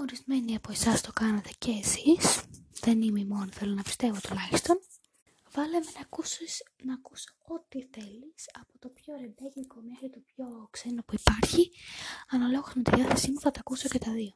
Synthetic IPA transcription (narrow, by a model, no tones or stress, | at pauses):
o̞ɾizme̞niɐpo̞esɐst̪o̞kɐnɐt̪e̞ceːsisðe̞nimeimo̞niθe̞lo̞nɐpi̥st̪e̞vot̪ulɐçist̪o̞n | vɐlemenɐkusis | nɐːkusoot̪iθe̞lisɐpo̞t̪o̞pço̞ɾend̪elliko̞mexɾit̪opço̞kse̞no̞puipɐɾçiɐnɐlo̞ɣozmet̪iðiɐθesimuθɐt̪ɐːkuso̞ce̞t̪ɐðio̞